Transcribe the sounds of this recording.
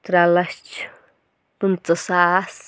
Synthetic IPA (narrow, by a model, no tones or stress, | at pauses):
t̪ɾalat͡ʃ | tunt͡səsas